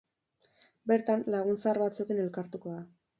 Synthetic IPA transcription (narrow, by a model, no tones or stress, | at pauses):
be̞ɾt̪anlaɣ̞unsaɾβat͡suekene̞lkaɾt̪uko̞ða